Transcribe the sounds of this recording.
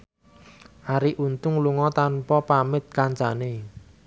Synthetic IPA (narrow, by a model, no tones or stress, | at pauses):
haɾiʔunt̪ʊŋluŋɔt̪anpɔpamɪt̪̚kant͡ʃane